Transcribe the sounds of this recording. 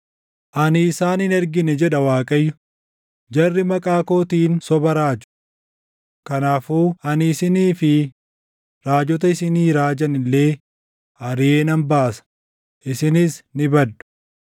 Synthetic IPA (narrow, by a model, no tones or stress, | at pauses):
ʔɐnɪːsaːnɪnɛɾɡɪnɛd͡ʒɛᶑɐwaːkʼɐjːʊ | d͡ʒɐrːɪmɐkʼaːkoːt̪iːnsɔbɐɾaːd͡ʒʊ̥ | kɐnaːfuːɐnːsɪniːfɪ | ɾaːd͡ʒɔt̪ɐɪsɪniːɾaːd͡ʒɐnɪlːe̞ː | ɐɾɪjeːnɐnbaːsɐ̥ | ʔɪsɪnɪsnɪbɐd̪ːʊ̥